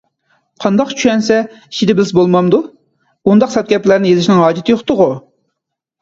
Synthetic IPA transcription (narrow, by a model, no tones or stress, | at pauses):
qʰɑnd̪ɑqt͡ʃʰyʃɛnsɛ | i̥ʃʰid̪ɛbɪlɪsbolˠmɑmd̪u | und̪ɑqsɑt̪̚ɡʲɛplæɾnɪjezɪʃinɪŋɦɑːd͡ʒɪt̪ʰɪjoχt̪ʊʁu